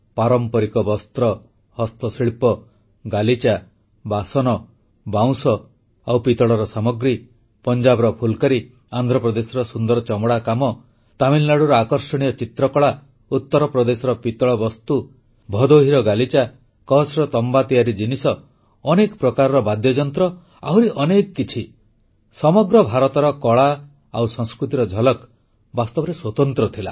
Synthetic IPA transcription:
paɾɔmpɔɾikɔbɔst̪ɾɔ | hɔst̪ɔsiɭpɔ | ɡalit͡ʃa | basɔnɔ | baw̃sɔ | awpit̪ɔɭɔɾɔsamɔɡɾi | pɔnd͡ʒabɔɾɔpʰulkaɾi | and̪ʱɾɔpɾɔd̪esɔɾɔsund̪ɔɾɔt͡ʃɔmɔɽakamɔ | t̪amilnaɽuɾɔakɔɾsɔɽ̃ijɔt͡ʃit̪ɾɔkɔɭa | ut̪ːɔɾɔpɾɔd̪esɔɾɔpit̪ɔɭɔbɔst̪u | bʱɔd̪oɦiɾɔɡalit͡ʃa | kɔɦɔsɾɔt̪ɔmbat̪ijaɾid͡ʒinisɔː | nekɔpɾɔkaɾɔɾɔbad̪jɔd͡ʒɔnt̪ɾɔ | a̰ɦuɾiʔɔnekɔkːit͡ʃʰi | sɔmɔɡɾɔbʱaɾɔt̪ɔɾɔkɔɭa | awsɔ̃ŋskɾut̪iɾɔd͡ʒʱɔlɔk | bast̪ɔbɔɾeswɔt̪ɔnt̪ɾɔt̪ʰila

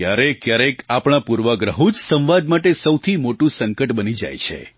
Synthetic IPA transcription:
jaɾekjaɾekapɳ̃apuɾʋəɡɾəɦũd͡ʒsə̃w̃ʋad̪maʈesəwt̪ʰimoʈũsəŋkəʈbənid͡ʒa̰jt͡ʃʰḛ

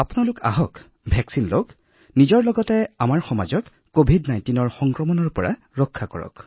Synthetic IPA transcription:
apunalʊka̰ɦɔk | bʱɛksinlok | nizɔɹlɔɡɔtɛamaɹxɔma̰zɔkːobʱidnajntinɔɹxɔŋkɹɔmɔnɔɹpɔɹa̰ | ɹɔkʰːakɔ̰ɹɔ̰k

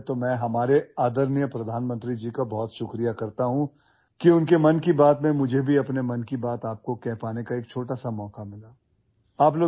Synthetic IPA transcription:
t̪omɛ̃ːɦɐmaːɾeaːd̪əɾnjəpɾɐd̪ʱaːnmə̃nt̪ɾid͡ʒiːkabɔːt̪ʃʊkɾijakɐɾt̪aɦũ | kiʊnkemɐnkibaːt̪mẽmʊd͡ʒʱebʱiɐpnemɐnkibaːt̪aːp̚kokɛɦpaːnekaeːk̚t͡ʃʰoːʈasamɔːkamɪlaː | aːp̬loː

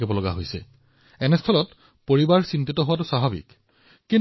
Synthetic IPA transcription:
ɛbɔlɔɡa̰ɦojsɛ̰ | ɛnɛstʰɔlɔt | poɹibaɹsintitɔɦʊwatʊsaɦabḭk | kin

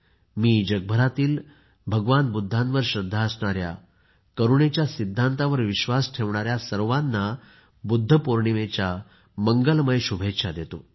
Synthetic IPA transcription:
miːd͡ʑəɡ̚bʱəɾat̪iːl | bʱəɡʋanbud̪ʱːãnʋəɾɕɾəd̪ʱːaəsɳaɾja̰ | kəɾuɳet͡ɕjasid̪ʱːant̪aʋəɾʋiɕʋasʈʰeʋɳaɾjasəɾʋanːa | bud̪ʱːəpoɾɳiʋet͡ɕja | məŋɡəlməjɕubʱetɕad̪et̪o̰

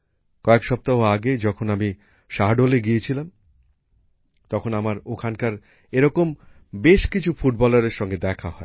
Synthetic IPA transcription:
kɔekʃɔp̚t̪aɦoaɡed͡ʑɔkʰonami | ʃaɦɖoleɡijet͡ɕʰilam | t̪ɔkʰonamaɾokʰankaɾ | eɾɔkom | beʃkit͡ɕʰufuʈ̚bɔlaɾeɾʃɔŋɡed̪ɛkʰaɦɔe

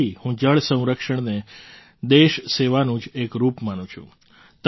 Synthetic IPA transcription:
ihũd͡ʒəɭsə̃w̃ɾəkʃəɳ̃ne | d̪eʃseʋanũd͡ʒekɾupmanũt͡ʃʰṵ̃ | t̪

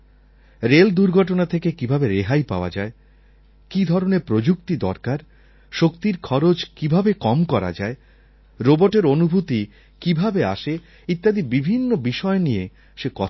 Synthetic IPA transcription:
ɾeld̪uɾɡʱɔʈonat̪ʰekekibʱabeɾeɦajpa̰oa̰d͡ʑae | kid̪ʱɔɾonepɾod͡ʑukt̪id̪ɔɾkaɾ | ʃokt̪iɾkʰɔɾod͡ʑkibʱabekɔmkɔɾa̰d͡ʑae | ɾoboʈeɾonubʱut̪i | kibʱabea̰ʃe | it̪ːad̪ibibʱinːobiʃɔenie | ʃekɔt̪

